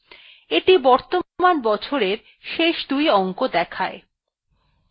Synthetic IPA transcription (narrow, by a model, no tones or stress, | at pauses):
eʈibɔɾt̪omanbɔt͡ɕʰoɾeɾ | ʃeʃd̪ujɔŋkod̪ɛkʰae